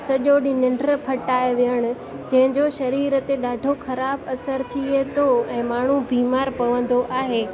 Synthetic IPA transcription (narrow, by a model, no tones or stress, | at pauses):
sɐʄoɗɪnɪ̃ɳɖəɾəpʰɐʈaːjʋɪjəɽ̃ʊ̆ | d͡ʑɐ̃ɦɪ̃ɲd͡ʑoʃɐɾiːɾət̪eɗaːɖʱoxʰɐɾaːbɐsəɾt̪ʰiet̪oɛ̃ːmaːɳ̤ubʱiːmaːɾpɐʋə̃nd̪oʔaːɦeː